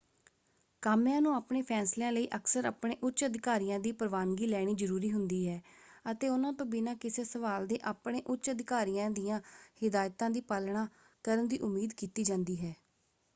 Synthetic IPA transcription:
kaːmjãːnũːaːpɳeːpʰɛːsleãːləiːʔəksəɾa̰ːpɳeːʔʊtːʃəd̪ɪkaːɾiːãːd̪iːpəɾʋaːnɡiːlɛːɽ̃iːzəɾuːɾiːɦʊnd̪iːɦɛːət̪eːʊnãːt̪õːbɪnãːkɪseːsəʋaːld̪eːʔaːpɽeːʔʊtt͡ʃʃəd̪ɪkaːɾijãːd̪ijãːhɪd̪aːjt̪ãːd̪iːpalɳaː | kəɾənd̪iːʔʊmːiːd̪kiːt̪iːd͡ʒãːnd̪iːɦɛː

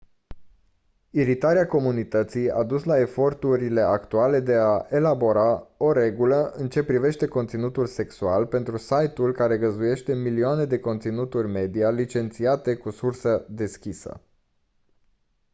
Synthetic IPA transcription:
iɾit̪aɾeako̞munit̪ət̪sija̰d̪uslae̞fo̞rt̪uɾile̞akt̪uale̞d̪e̞aʔe̞labo̞ɾao̞ɾe̞ɡuləʔɨnt͡ʃe̞pɾive̞ʃt̪e̞ko̞nt̪sinut̪ulse̞ksualpe̞nt̪ɾusajt̪ulkaɾe̞ɡəzuje̞ʃt̪e̞milioane̞d̪e̞ko̞nt̪sinut̪urʲme̞d̪ialit͡ʃe̞nt̪siat̪e̞kusursəd̪e̞skʲisə̰

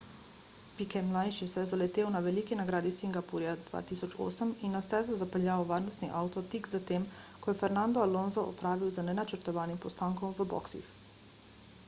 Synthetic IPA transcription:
pikɛmlajʃisɛjɛzalɛt̪eːwnaʋɛlikinaɡɾaːd̪isiŋɡapuɾjad̪ʋa̰ːt̪iːsɔt͡ʃo̰ːsəminːast̪ɛːzɔzapəlʎjaːoʋaːɾnɔst̪niʔawt̪ɔt̪iɡzat̪eːmkɔjɛfɛɾnand̪ɔalonzɔʔɔ̰pɾaːʋiwzanɛnat͡ʃəɾt̪ɔʋaːnimpɔst̪aːŋkɔmʋəbɔ̰ksḭx

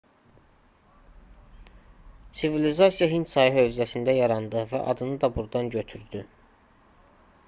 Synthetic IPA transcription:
sivilizɑsijɑɦinsɑjɯɦø̞vziæsind̪æjɑɾɑnd̪ɯvæ̰ʔɑ̰d̪ɯnɯd̪ɑbuɾd̪ɑnɟø̞t̪ʰyɾd̪y

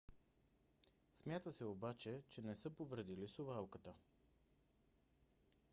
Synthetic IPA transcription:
smʲjat̪əsɛobat͡ʃɛt͡ʃɛnɛsɤpovɾəd̪ilisovalˠkət̪ə

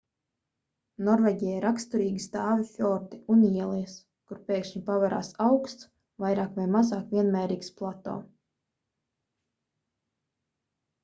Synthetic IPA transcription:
nɔɾveːɟʲijaiɾakst̪uɾiːɡist̪aːvifʲɔɾt̪i̥uniɛlˠɛs | kuɾpeːkʃɲipavaɾa̰ːsawkst̪s | vajɾaːkvajmazaːkvʲiɛnmɛːɾiːksplˠat̪o̰ː

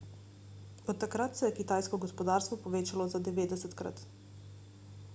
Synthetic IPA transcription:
ot̪̚t̪akɾat̪seekit̪ajskoɡospod̪aːɾst̪ʋopoʋet͡ʃalozad̪eʋed̪eset̪kɾa̰t̪

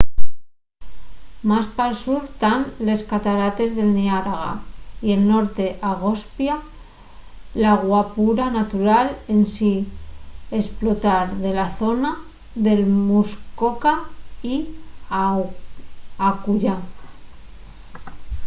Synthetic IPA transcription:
maspalsuɾt̪anle̞skat̪aɾat̪e̞zðe̞lniaɾaɣa̰ie̞lno̞ɾt̪e̞ʔaɣ̞o̞spja | laɣwapuɾanat̪uɾale̞nsi | e̞splo̞t̪aɾðe̞laθo̞na | ðe̞lmuskokai | akuʎa

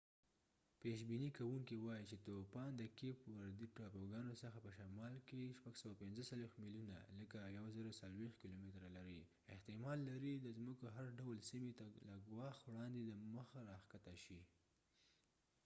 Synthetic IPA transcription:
peʃ̬binikawuŋkiwɑjit͡ʃet̪opɑnd̪əkepwaɾd̪iʈɑpoɡɑnosəxapəʃamɑlkeʃpaɡsawapɪnzəsalwext̪miljuna̰ləkajawazəɾasalwext̪̚kilomɪt̪ɾalaɾi | ɪht̪ɪmɑlːaɾid̪əzmukoɦaɾɖawlsimet̪alaɡwɑxtwɽɑnd̪ed̪əməxaɾɑxkat̪aʃi

